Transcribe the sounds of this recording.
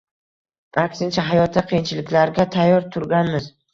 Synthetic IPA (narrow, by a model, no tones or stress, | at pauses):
akʲsɪnt͡ʃʰaɦajɒt̪ʰːaqʰijɪnt͡ʃʰɪlɪkʲlaɾɡʲat̪ʰajːɒɾt̪ʰʊɾɡʲanmɪz̥